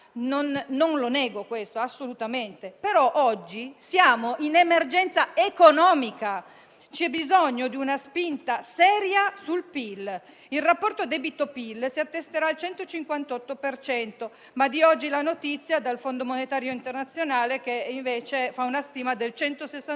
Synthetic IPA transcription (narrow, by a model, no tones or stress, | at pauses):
nonːonlonɛːɡokwest̪oasːolut̪ament̪epeɾɔʔɔd͡ʒːisjaːmoʔinemerd͡ʒɛnt̪saekonɔːmika | t͡ʃiɛbːizoɲːod̪iunaspint̪asɛːɾjasulpil | ilrapːɔrt̪od̪ɛbit̪opilsiat̪ːest̪eɾaːlt͡ʃɛnt̪ot͡ʃiŋkwant̪ɔt̪ːopert͡ʃɛnt̪o | mad̪iɔd͡ʒːilanot̪it̪sːjad̪alfond̪omonet̪aːɾjoint̪ernat̪sːjonaːlek̟eiɱveːt͡ʃefaunast̪iːmad̪elt͡ʃɛnt̪osesːa